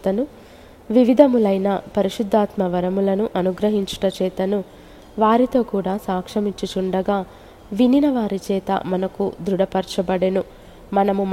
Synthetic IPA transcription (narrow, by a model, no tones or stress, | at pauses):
t̪ɐnu | ʋiʋid̪ʱɐmulɐjnɐpɐɾiʃud̪ʱːaːt̪mɐʋɐɾɐmulɐnuʔɐnuɡɾɐɦiɲt͡ʃu̥ʈɐt͡ʃɛːt̪ɐnu | ʋaːɾit̪o̞ːkuːɽaːsaːkʂɐmiɲt͡ʃut͡ʃuɳɖɐɡaː | ʋininɐʋaːɾit͡ʃɛːt̪ɐ̰mɐnɐkud̪ɾuɽɐpɐɾt͡ʃɐbɐɽenu | mɐnɐmum